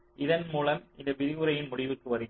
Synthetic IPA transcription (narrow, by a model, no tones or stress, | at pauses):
ʔɪðɐnmuːlɐmʔɪnd̪ɐʋɪðɪɣɯɾɐjɪnmʊɽɪʋɯkːɯʋɐɾɪ